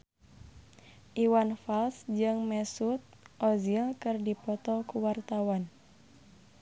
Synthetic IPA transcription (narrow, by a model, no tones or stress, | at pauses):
ʔiwanfalsd͡ʒɨŋmɛsut̪̚ʔɔzilkɨrdipɔt̪ɔkuwart̪awan